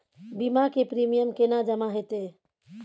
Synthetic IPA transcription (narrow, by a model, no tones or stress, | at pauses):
bimakepɾimijəmkenad͡ʒəmaɦet̪e